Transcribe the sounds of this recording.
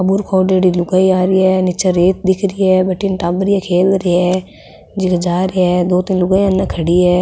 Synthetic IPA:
ɐbuɾkʰoːɖeːɽilʊɡaːiaːɾiɛːnɪt͡ʃaɾeːt̪̚d̪ɪkʰɾiɛːbɐʈɪnʈaːbɾiɛkʰeːlɾɪɛ | d͡ʒɪkd͡ʒaːɾeɛːd̪oːt̪ɪnlʊɡaːianːãkʰɐɽiɛː

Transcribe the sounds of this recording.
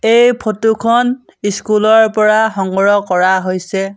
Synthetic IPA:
ejpʰotukʰɔn | iskulɔɹpɔɹaxɔŋɡɹɔkɔɹaɦojsɛ

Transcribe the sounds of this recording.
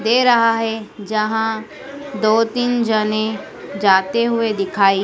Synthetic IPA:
d̪eːɾɐɦaɦed͡ʒɐɦã | d̪oːt̪iːnd͡ʒəne | d͡ʒaːt̪eɦʊed̪ɪkʰaːi

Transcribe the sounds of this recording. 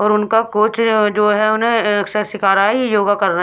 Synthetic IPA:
ɔːɾʊnkakoːt͡ʃd͡ʒoːɦɛʊnɦẽɐksəɾʃɪkʰaːɾaɦijoːɡakɐɾːə

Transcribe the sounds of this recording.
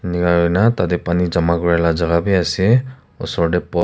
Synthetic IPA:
niɡaɹɔjnatadɛpanizɔmaɡuɹɛlazaɡabiasi | ɔ̰sɔɹdɛpɔ

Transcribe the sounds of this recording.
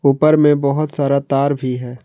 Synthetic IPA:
uːpəɾmẽbɔɦʊt̪saːɾat̪aːɾbʱiɦɛː

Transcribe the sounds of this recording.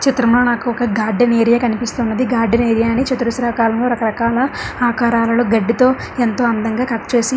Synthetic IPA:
t͡ʃit̪ɾɐmloːnaːkuɔkɐɡaːɾɖɐneːɾijaːkɐnipist̪uːnːɐd̪iɡaːɾɖɐneːɾijaːnit͡ʃɐt̪uɾusɾaːkaːlɐmlo̞ːɾɐkɐɾɐkaːlɐaːkaːɾaːlɐloːɡɐɖːit̪o̞ː | ent̪o̞ːɐnd̪ɐŋɡaːkɐʈːɐt͡ʃe̞ːsi

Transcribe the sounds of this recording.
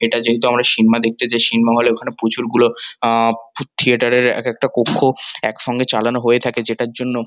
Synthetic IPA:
eʈad͡ʑeɦit̪oamɾaʃinmad̪ek̚t̪ed͡ʑeʃinmaɦoleokʰanepot͡ɕuɾɡulo | put̪ʰieʈaɾeɾɛ̰kɛk̚ʈakokʰːoɛkʃɔŋɡet͡ɕalanoɦoet̪ʰaked͡ʑeʈaɾd͡ʑonːo

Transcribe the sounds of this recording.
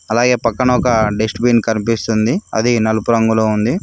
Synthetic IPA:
ɐlaːɡe̞ːpɐkːɐɳɐɔkɐɖesʈbiːnkɐnipist̪und̪iɐ̰d̪inɐlupuɾɐŋɡuloːund̪i

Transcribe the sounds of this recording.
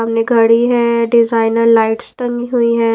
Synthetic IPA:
ɐmneɡʱəɽiɦɛɖɪzaːɪnəɾlaːɪʈsʈəŋɡiɦuiɦɛː

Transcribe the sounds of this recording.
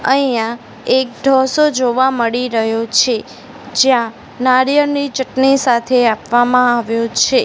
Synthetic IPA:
əɦijã | ek̚d̪ʱɔsod͡ʒoʋaməɽiɾəɦjot͡ʃʰe | d͡ʒjã | naɾjənit͡ʃəʈnisat̪ʰeapʋamãaʋjõt͡ʃʰe

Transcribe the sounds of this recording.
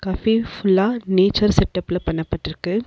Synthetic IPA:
kɐfiffʊlːaːneːt͡ʃːɐɾsɛʈːɐpːɪlɐpːɐɳːɐpːɐʈːɪɾɯkːɯ

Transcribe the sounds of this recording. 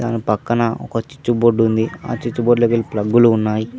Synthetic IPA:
d̪aːnipɐkːɐnɐɔ̰kɐt͡ʃi̥t͡ʃːuboɖːund̪ia̰ːt͡ʃit͡ʃːuboɖlɐɡilplɐɡːuluːnːaːji

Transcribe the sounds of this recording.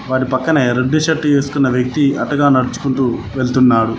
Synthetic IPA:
ʋaːʈipɐkːɐneɾeɖːiʃɐʈːe̞ːsu̥kunːɐʋjɐk̚t̪iɐʈːɐɡaːnɐɽut͡ʃu̥kuɳʈuːʋeɭt̪unːaːɽu

